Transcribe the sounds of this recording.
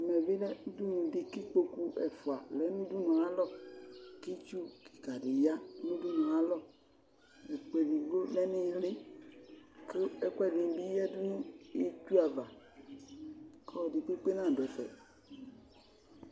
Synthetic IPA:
ɛ˨mɛ˨ve˦lɛ˦du˦nũ˨de˨ki˦k͡po˦ku˦ʔɛ̰˨fu˨a˨lɛ˦nũ˦du˦nɔ̃˨a˨˦lɔ˦ke˦t͡ʃu˦ki̥˨ka˨ɖe˨ja˦nũ˦du˦nɔ̃˨a˨lɔ˦ | be˨k͡pe˨bi˨ɡ͡bo˦lɛ˦ni˦le˦ | ke˦ɛ˦kwɛ˦di˨˦bi˦ɛ˦du˦n˦e˦tu˦a˨va˨ | kɔ˦˨di˨k͡pe˦k͡pe˦nã˦˨dɛ˨fɛ̰˨

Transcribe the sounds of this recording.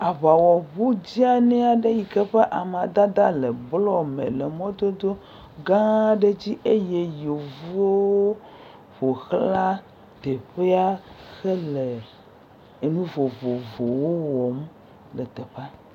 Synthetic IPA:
a˨βa˨wɔ˨βu˦d͡ʑi˦a˨nɛ̃˦a˨ɖe˦ji˨kɛ˦ɸe˦ʔa˨m˨ã˨d̪a˦d̪a˦lɛ˨blɔ˦mḛ̃˨lɛ˨mɔ̃˦d̪o˦d̪o˦ | ɡã˦ɖe˦d͡ʑi˦ʔe˦je˦jo˨vu˦o˦o˦ | ɸo˨xla˦ | t̪e˨ɸe˦a˦xɛ˦lɛ˨ | nũ˦vo˨vo˨vo˨wo˦wɔ˨m | lɛ˨t̪ɛ˨ɸa˦

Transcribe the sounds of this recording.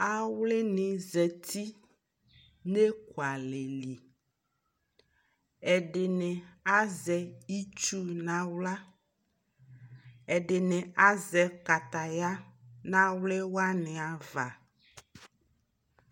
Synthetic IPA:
a˦wle˦nẽ˨zɛ˨t̪ʰi˦ | ne˦ku˨a˨le˨li˨ | ɛ˨ɖe˨nɛ̃˨a˦zɛ˨i˦t͡ʃu˦nã˨wla˦ | ɛ˨ɖe˨nɛ̃˨a˦zɛ˨ka˨t̪a˨ja˦nã˦wle˦wa˦nɛ̃˨a˨va˨

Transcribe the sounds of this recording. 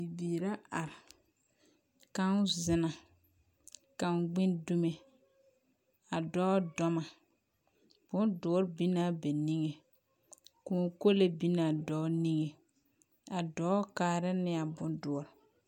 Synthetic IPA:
bi˨biː˨ɾa˦a˨ɾɪ˨ | ka˦n˦zɪ˨na˨ | ka˨m˨ɡ͡bɪ˦ndu˦me˦ | a˨dɔː˦dɔ˦ma˨ | b̥ʊ˦ndʊ˦ɔ˦ɾbi˦na˦bɛ˨ni˦ŋe˨ | ku˦˨˦ko˦le˦bi˦na˨dɔ˦ni˦ŋe˨ | a˨dɔː˨˦kaː˨ɾɪ˦nɪ˦a˨bʊ˦ndʊ˨ɔ˨ɾ

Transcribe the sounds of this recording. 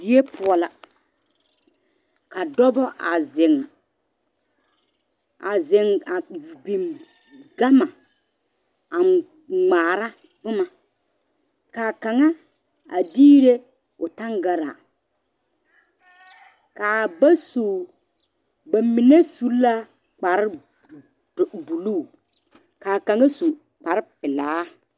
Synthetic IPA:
dɪ˨˦e˦pʰʊ˨ɔ˨la˨ | ka˨dɔ˦bɔ˦ʔa˨zɪ˨ŋ | a˨zɪ˨ŋa˨bi˨m | ɡa˦ma˨ | a˨ | ŋ͡maː˨ɾa˦ | bʊ˦ma˨ | kaː˨ka˨ŋa˦ | a̰˨diː˦ɾe˦ | ʊ˨ta˦ŋɡa˨ɾa̰˨ | kaː˨ba˦su˨ | ba˨mi˨ne˦su˨˦la˦ | k͡pa˨ɾɪ˦˨ | bu˨luː˦˨ | kaː˨ka˨ŋa˦su˨ | k͡pa˨ɾɪ˦pɪ˨laː˨˦

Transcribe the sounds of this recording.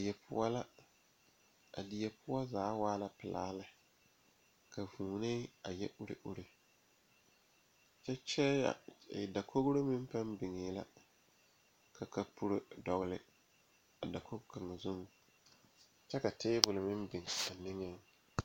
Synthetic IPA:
jɛ˨pʰʊ̰˦a˦la˦ | a̰˨dɪ˨jɛ˨pʰʊ˦ɔ˦zaː˨˦waː˦la˦pɪ˨laː˦lɪ˦ | kʰa˨vuː˨nɪ˦a˨jɛ̰˦ʔu˦ɾḛ˦˨ʔu˦ɾe˨ | t͡ʃɛ˦t͡ʃɛ˦ja̰˨ɪ˨da˨kʰo˦ɣɾo˦mɪ˦m˦pa˦nbɪ˨ŋɪː˨˦la̰˦ | ka˨ka˨pu˦ɾo˦dɔ˨ɣlɪ̰˨ | a˨da˨ko˦ɡka˨ŋa˨zʊ˦ŋ | t͡ʃɛ˦ka˨tɪː˦bʊ˨lɪ˨mɪ˦mbɪ˨ŋ˨a˨nɪ˦ŋe˦

